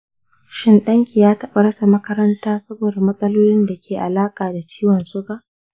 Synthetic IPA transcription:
ʃɪ˦nɗɐ˦ŋkʲi˨jaː˦tɐ˦ɓa˨ɽɐ˦sa˨mɐ˦kɐ˦ɾɐ˦ntaː˦sɐ˦boː˨da˨mɐ˦sʼɐ˦loː˦lɪ˦nda˨kʲeː˨ʔa˨laː˦kʼaː˨da˨t͡ʃi̥ː˦wɐ˨nsʊ˦kaː˨ʔ

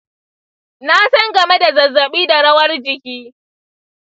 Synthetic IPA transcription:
na˦sɐ˦ŋɡɐ˨me˦da˨zɐ˨zːɐ˨ɓiː˦da˨ɽɐ˦wɐ˦rd͡ʒɪ˨kʲiː˦

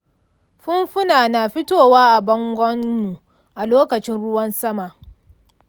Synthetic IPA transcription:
ɸʊ˦mɸʊ˦naː˨naː˨ɸɪ˦toː˦˨waː˦ʔa˨bɐ˦ŋɡʷɔ˦nːu˨ | ʔa˨loː˦kɐ˨t͡ʃɪ˦nɽʊ˦wɐ˦nsɐ˦ma˨ʔ

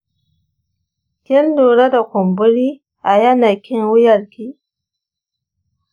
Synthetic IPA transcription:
kʲɪ˦ldoː˨ɾa˦da˨kʷʊ˨mbʊ˦ɾiː˦ | ʔa˨jɐ˦na˨kʲɪ˦nwʊ˦jɐ˨ɾkʲiː˦

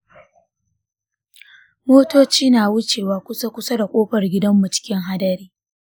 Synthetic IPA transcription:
moː˦toː˦t͡ʃiː˦naː˨wʊ˦t͡ʃeː˨waː˨kʷʊ˦sa˦kʷʊ˦sɐ˦da˨kʷʼoː˦ɸɐ˨rɡʲɪ˦dɐ˦mːʊ˨t͡ʃɪ̥˦kʲɪ˦ŋɦa˦dɐ˦ɾiː˦

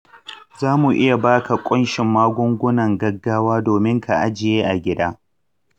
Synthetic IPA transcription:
zaː˦mu˨ʔɪ˦ja˨baː˦ka˨kʷʼʊ˦nʃɪ˨mːaː˦ɡʷʊ˦ŋɡʷʊ˦nɐ˨ŋɡɐ˦ɡːaː˦waː˦doː˨mɪ˦ŋkʰa˨ʔa˦d͡ʒɪ˨jeː˦ʔa˨ɡʲɪ˦daː˦

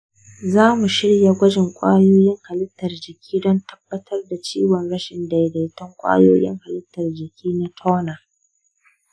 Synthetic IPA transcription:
zaː˦mu˨ʃɪ˦ɽja˨ɡʷɐ˦d͡ʒɪ˨ŋkʷʼaː˦joː˦jɪ˦ŋha˨lɪ˦tːɐ˨rd͡ʒɪ˨kʲiː˦dɔ˦ntʰɐ˦bːɐ˦tʰɐ˦rda˨t͡ʃiː˦wɔ˨nɽɐ˦ʃɪ˨nda˨jda˨tɐ˦ŋkʷʼa̰ː˦joː˦jɪ̰˦ŋha˨lɪ˦tːɐ˨rd͡ʒɪ˨kʲʰiː˦na˦tʰɔː˦naː˨

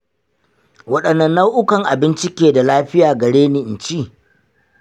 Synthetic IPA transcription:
wɐ˦ɗɐ˨nːɐ˦nːa˦wʔʊ˦kɐ˨ŋʔa˨bɪ˦nt͡ʃɪ˦kʲeː˨da˨laː˦ɸɪ˦jaː˨ɡɐ˨ɽeː˦niː˨ʔɪ˨nt͡ʃiː˦˨

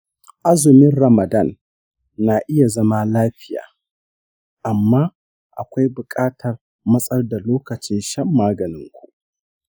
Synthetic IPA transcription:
ʔa˦zʊ˨mɪ˦nɾɐ˨mɐ˨dɐ˦˨nː | a˨ʔɪ˦ja˨zɐ˦ma˦laː˦ɸɪ˦ja̰ː˨ | ʔa˨mːaː˦ | ʔa̰˨kʷa˦jbʊ˨kʼaː˦tʰɐ˨r | mɐ˦sʼɐ˦rda˨loː˦kɐ˨t͡ʃɪ˦nʃɐ˦mːaː˦ɡɐ˨nɪ˦ŋkʷu˨ʔ

